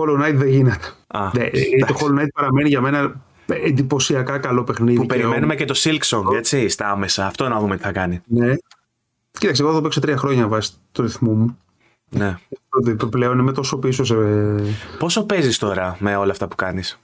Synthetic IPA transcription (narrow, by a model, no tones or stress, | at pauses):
xolonɐit̪ðeʝinet̪e̥ɐnet̪oxolonɐit̪̚pɐɾɐme̞niʝɐme̞nɐ | end̪ipo̞siɐkɐkɐlo̞pe̞xniðuipeɾimenumecet̪o̞silksoŋe̞t͡sist̪ɐɐmesɐːft̪o̞nɐðume̞t̪i̥θɐkɐnine̞ | cit̪ɐksiɣoðopiksot̪ɾiɐxɾo̞ɲɐvɐsi̥ | t̪oɾiθmumu | ne̞pple̞o̞nimet̪o̞so̞piso̞s̬e | po̞sope̞zist̪o̞ɾɐmeo̞lɐːft̪ɐpu̥kɐnis